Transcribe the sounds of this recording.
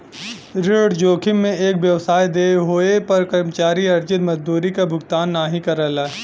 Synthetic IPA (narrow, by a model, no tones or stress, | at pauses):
ɾɪɽd͡ʒoːkʰɪmːẽeːkʋjɐʋsaːid̪eːɦoːepɐɾkəɾmət͡ʃaːɾiɐɾd͡ʒɪt̪mɐzd̪uːɾikabʱʊɡt̪aːnːaːɦĩkɐɾəːla